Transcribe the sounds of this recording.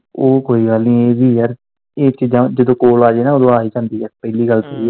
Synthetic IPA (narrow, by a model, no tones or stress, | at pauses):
oːkoːiːɡəlnĩːeːʋiːɛɾ | eːt͡ʃiːd͡ʒãːd͡ʒəd̪õːkoːlaːd͡ʒeːnaːoːd̪õːaːiːd͡ʒãːnd̪iːɛɾpɛːliːɡəlt̪eiːɛ